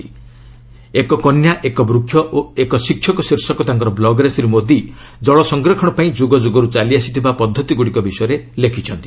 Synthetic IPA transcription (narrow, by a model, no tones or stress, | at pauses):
ekɔkɔnjaʔekɔbɾukʰjɔʔoekɔsikʰːjɔkɔsiɾsɔkɔt̪aŋkɔɾɔblɔɡɔɾesiɾumod̪ʱi | d͡ʒɔɭɔsɔŋɡɾɔkʰɔɽ̃ɔpaĩd͡ʒuɡɔd͡ʒuɡɔɾut͡ʃaliasi̥t̪ʰibapɔd̪ʱːɔt̪iɡuɽikɔbisɔjɔɾelekʰit͡ʃʰɔnt̪i